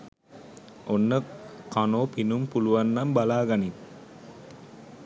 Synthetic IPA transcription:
ʔonːəkanoːpinumpuluʋanːɐmbalaːɡɐni

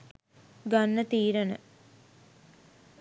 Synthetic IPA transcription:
ɡanːət̪iːɾənə

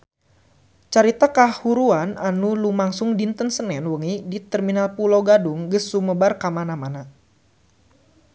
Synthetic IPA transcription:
t͡ʃaɾit̪akahuɾuananulumaŋsʊŋdint̪ənsənɛnwəŋidit̪ərminalpulowɡaduŋɡəsuməbarkamanamana

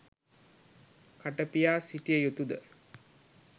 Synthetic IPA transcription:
kaʈəpijaːsiʈijəjut̪ud̪ə

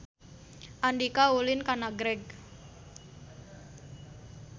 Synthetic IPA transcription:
ʔandikaulɪnkanaɡɾɛɡ̚

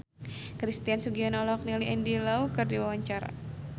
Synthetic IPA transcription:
kɾist̪iansuɡiɔnɔlɔk̚niliʔɛndilaukɨrdiwawaɲt͡ʃaɾa̰

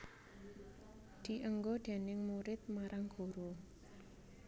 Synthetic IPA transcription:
d̪̥i̤ʔəŋɡoɖ̪̥e̤nɪŋmuɾɪt̪̚maɾaŋɡ̥o̤ɾo

